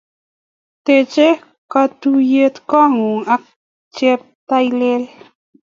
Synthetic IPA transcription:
t̪e˨t͡ʃe˦ | ka˧t̪u˧je˧t̪kɔ˦ŋu˨ŋa˧˦k̚ | t͡ʃe˦p̚t̪a˧jle˦l

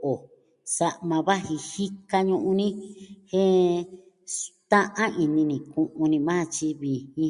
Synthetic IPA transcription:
ʔo˨ | sa˧ʔmã˧βa˦hĩ˧hi˦ka˧ɲũ˧ʔũ˧nĩ˦hẽ˦ | st̪ã˦ʔã˦i˧nĩ˧nĩ˨kũ˧ʔũ˧nĩ˧mãː˦˧t͡ʃi˧βi˨hĩ˧

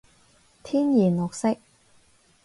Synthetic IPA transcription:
t̪ʰiː˥njiː˨˩nŋɔ˨k̚sɪ˥k̚

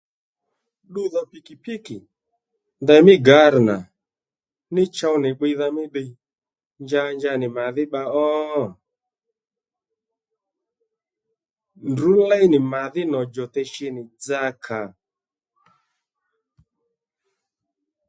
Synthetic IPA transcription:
ɗu˦ða˧pi˨ki˨pi˦kɪ˨ | ndɛ˧mɪ˦ɡa˨˦ɾna˨ | nɪ˦t͡ʃa˦˧wnɪ˨ɡ͡be˧ða˧mɪ˦ɓe˧ | ɲd͡ʒa˧ɲd͡ʒa˧nɪ˨ma˨ðɪ˦ɓa˧ɔ˦ | ndu˨˦lɛ˦nɪ˨ma˨ðɪ˦nɔ˨d͡ʒɔ˨tɛ˧ʃe˧nɪ˨d͡za˦kʰa˨

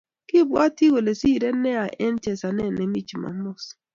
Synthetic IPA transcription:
kɪ˦bwa˦ti˦we˨le˨si˦˨ɾe˦ne˦a˨ʔe˦n˦t͡ʃe˨sa˨ne˦˨ne˨mi˦t͡ʃi˨ma̰˨m̩˦ʊ˦s

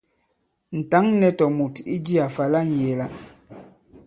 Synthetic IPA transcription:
n̩˨ta˨˦ŋnɛ˦tɔ˨mu˨ti˦d͡ʒi˦a˨fa˨la˦n̩˨je˨la˦

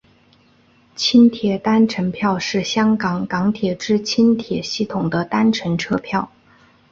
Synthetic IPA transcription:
t͡ɕʰi˥nt̪ʰjɛ˨˩t̪a˥nʈ͡ʂʰə˧˥npʰjɑ˥˧ʊʂɻ̩˥˩ɕjɑ˥ŋkɑ˨˩ŋkɑ˧˥ŋt̪ʰjɛ˨˩ʈ͡ʂɻ̩˥t͡ɕʰi˥nt̪ʰjɛ˨˩ɕi˥˩t̪ʰʊ˨˩ŋd̪ə˦t̪a˥nʈ͡ʂʰə˧˥nʈ͡ʂʰɤ˥pʰjɑ˥˩ʊ

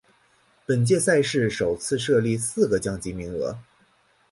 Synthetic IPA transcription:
pə˨˩nt͡ɕjɛ˥˧sa˥˧ɪʂɻ̩˥˩ʂo˨˩ʊt͡sʰɹ̩˥˧ʂɤ˥˧li˥˧sɹ̩˥˩ɡə˩t͡ɕjɑ˥˩ŋt͡ɕi˧˥mi˧˥ŋɤ̰˧˥

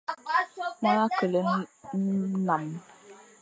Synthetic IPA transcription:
ŋa˦na˦kə˨lə˦n̩˦na˨m

